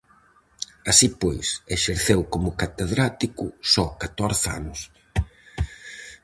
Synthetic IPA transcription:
asipojseʃeɾθewkomʊkat̪eðɾat̪ikʊsɔkat̪ɔɾθa̰nʊs

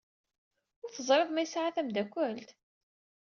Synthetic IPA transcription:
ʊɾθəzˤɾɨðˤmæjəsʕaθæmd̪ækʷːælt̪

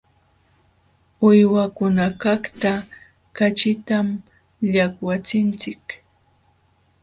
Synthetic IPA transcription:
ʊjwakʊnakakt̪a | kat͡ʃɪt̪am | ʎakwat͡sɪnt͡sɪk

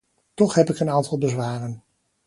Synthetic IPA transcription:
tɔχɦɛpɪkənaːntɑlˠbəzʋaːrən

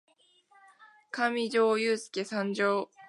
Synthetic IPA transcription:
kamʲid͡ʑo̞ːjɯːsɨ̥ke̞sãɲd͡ʑo̞ː

